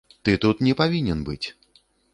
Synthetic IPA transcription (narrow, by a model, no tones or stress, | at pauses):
t̪ɨt̪ut̪nʲɛpavʲinʲɛnbɨ̰t͡sʲ